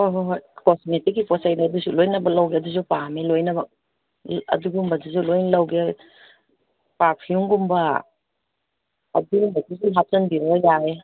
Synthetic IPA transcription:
oɦkosnetikipɔsajnɐdusulojnɐbɐlɐwɡeɐdusupamilojnɐbɐ | ɐ̰duɡumbɐdizulojnlɐwɡe | papʰiuŋɡumbɐ | ɐ̰dumatizuɦat͡ʃɐnbiɾojae

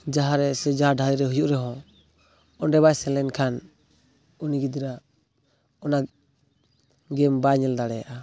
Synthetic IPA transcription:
d͡ʒaɦaɾɛsɛd͡ʒaɦaɖʱaɾiɾɛɦujɔʔɾɛɦɔ̃ | ɔnɖɛβajsɛlɛnkʰan | uniɡid̪iɾa | ɔna | ɡɛmbaɲɛld̪aɽɛjaʔa

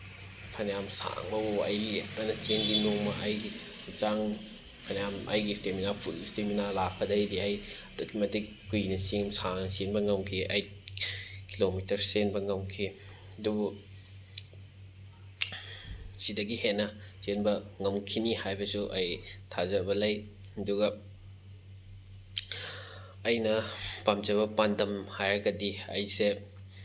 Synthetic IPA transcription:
pʰɐnjamsa̰ŋbɐoɐ̰jlep̚tanɐt͡ʃeŋɡinoŋmɐʔɐjɡi | t͡ʃaŋ | pʰɐnjamʔɐ̰jɡisteminapʰulisteminalak̚pʰɐdɐjdiɐjtokʰimɐti | kujnɐseŋmsaŋnɐsenbɐŋɐmkʰiʔɐj | kʰilomitɐɾsenbɐŋɐmkʰi | ɐdubu | sidɐɡihenːɐsenbɐŋɐmkʰinihajbɐsuʔɐjtʰazɐbɐlɐjɐduɡɐ | jnɐpamt͡ʃɐβɐpandɐmhajɾɐɡɐdiɐ̰jse

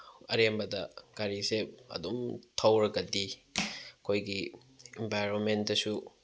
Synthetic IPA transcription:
ɐ̰ɾembɐdɐɡ̥aɾisep̚ɐ̰dumtʰɐwɾɐɡɐdi | ɐkʰojɡi | empajɾonmentdɐsu

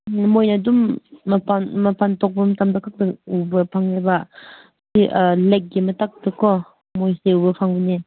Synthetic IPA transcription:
mojnadumːɐpanmɐpʰantɔk̚bɐmtamdakʰak̚dɯubɐpʰaŋeba | siʔlek̚ɡimɐtak̚tɯkʰɔ | mojseubɐpʰaŋbɯni

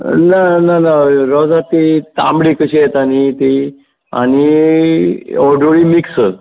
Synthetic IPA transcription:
nananaɾɔd͡zat̪it̪ã̰mbɽikəɕiet̪añit̪i | a̰ni | ɔɖoɭimiksə

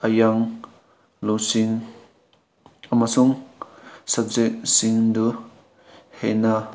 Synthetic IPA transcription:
ajaŋ | lusiŋ | amasuŋ | sab̚zek̚siŋdu | hena

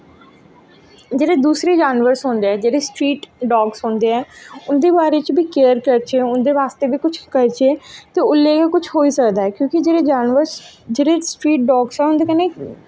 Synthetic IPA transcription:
d͡ʒeːɽeːd̪uːsɾeːd͡ʒaːnʋəɾsõːnd̪eɛːd͡ʒeːɽesʈɾiːʈɖɔːɡsɦʊ̃ːnd̪eːɦɛːʊnd̪eːbaːɾet͡ʃbʱiːkeːəɾkəɾt͡ʃeːʊnd̪eːʋaːst̪eːbʱiːkʊt͡ʃʰkəɾt͡ʃeːt̪eːʊlːeːkakʊt͡ʃʰɦoːiːsəkd̪aːɛːkjõːkɪd͡ʒeːɾeːd͡ʒaːnʋəɾsd͡ʒeːɽeːsʈɾiːʈ̚ɖɔːɡsɦɛːʊnd̪eːkɛne

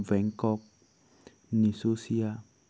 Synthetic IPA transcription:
vɛŋkɔk̚ | nisosia

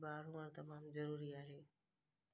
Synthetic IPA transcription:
baːɾ̤ũɐɾt̪ɐmaːmzɐɾuːɾiaːɦeː

